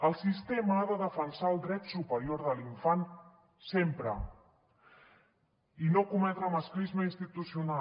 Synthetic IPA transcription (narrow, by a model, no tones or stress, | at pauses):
əlˠsist̪eməːðəðəfənsaəlˠd̪ɾɛt̪supəɾijoɾðəliɱfan | sempɾə | inokumɛt̪ɾəməsklizməinst̪it̪usiuna